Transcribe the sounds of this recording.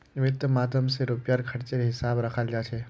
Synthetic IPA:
ʋɪt̪maːd̪əmseɾʊpjaɾkʰɐɾt͡ʃəɾɦɪsaːbɾɐkʰald͡ʒaːt͡ʃʰeː

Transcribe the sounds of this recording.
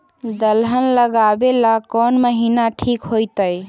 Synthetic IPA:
d̪əlɦənləɡabelakɔnməɦinaʈʰikɦojt̪əj

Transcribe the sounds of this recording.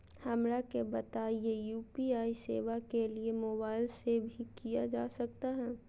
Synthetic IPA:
hɐmɾakebɐt̪aːijejuːpiaːisḛːʋakeliemoːbaːɪlsebʱikijad͡ʒaːsɐk̚t̪aɦɛ̃ː

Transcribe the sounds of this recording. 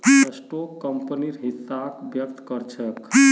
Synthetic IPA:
əsʈokːəmpəniɾɦisːakbjək̚t̪kəɾt͡ʃʰək

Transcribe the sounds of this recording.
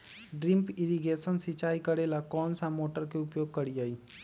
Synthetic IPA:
ɖɾimpiɾiɡesənsit͡ʃaikəɾelakɔːnsãmoʈəɾkeupjoɡ̚kəɾiai

